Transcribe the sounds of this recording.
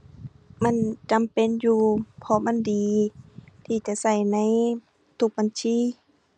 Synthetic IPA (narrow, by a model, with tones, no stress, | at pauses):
ma˧˥˨nt͡ɕa˨mpe˧˥˨njuː˧pʰɔ˧ma˧˥˨ndiː˨˦ | t̪ʰiː˧˩t͡ɕa˧˨sa˧˩jna˧˥˨j | t̪ʰu˧k̚ba˨˧˨nsʰiː˧˥˨